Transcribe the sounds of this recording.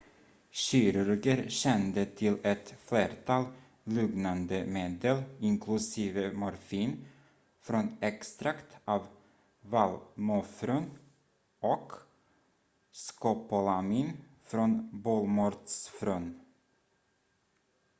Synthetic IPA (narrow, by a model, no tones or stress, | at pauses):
ɕiɾɵɾɡəɾɕɛnd̪ət̪ʰɪlɛt̪fleːɾt̪ʰɑːl | lɵŋnand̪əmeːd̪əlɪŋkʰlɵsiːvəmʊɾfiːn | fɾɔnɛkst̪ɾakt̪ʰɑːv | valmʊfɾɵn | ɔk | skɔpɔlamiːn | fɾɔnbolmɔɾt̪sfɾɵn